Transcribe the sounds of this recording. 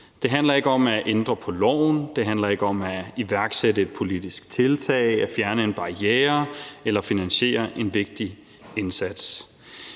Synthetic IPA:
d̥e̝ɦænlɐe̝ɡ̥əɒ̽mæʔend̥ʁɐpʰɒ̽lɒʊ̰n̩d̥e̝ɦænlɐe̝ɡ̥əɒ̽mæiʋæɐɡ̥sedəe̝d̥̚pʰo̝lid̥isɡ̥t͡sʰe̝lt͡sʰɛ̰ːɪæfjæɐnəe̝nb̥ɑ̈jeːɐelɐfinænɕe̝̰ːɐʔe̝nʋe̝ɡ̥̚d̥i | e̝nsæd̥s

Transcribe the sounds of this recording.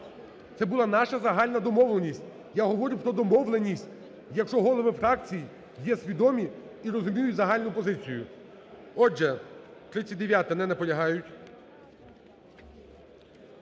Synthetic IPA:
t̪sɛbʊlˠɑnɑʃɐzɐɦɑlʲnɐd̪ɔmɔʋlˠenʲisʲtʲ | jaɦɔʋɔɾʲʊpɾɔd̪ɔmɔʋlˠenʲisʲtʲ | jɐkʃt͡ʃɔɦɔlˠɔʋɪfɾɑkt͡sʲiji | jɛsʲʋʲid̪ɔmʲiː | ɾɔzʊmʲijʊtʲzɐɦɑlʲnʊpɔzɪt͡sʲijʊ | ɔd͡ʒɛt̪ɾɪt͡sʲːɐt̚ʲd̪eʋʲjat̪ɪnɛnɛpɔlʲɐɦɑjʊtʲ

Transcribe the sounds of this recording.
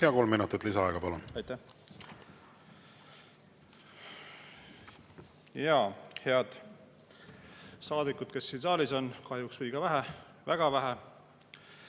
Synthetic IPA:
heɑko̞lmːinut̪ˑit̪ːˑlisɑɑeɡ̥ɑpɑlunɑjt̪æh | jɑheɑd̪̥ | sɑːd̪ikːˑut̪̚ke̞sːinsɑːliso̞nkɑjuksviːɡ̥ɑvæɦæ | væɡ̥ɑvæɦæ

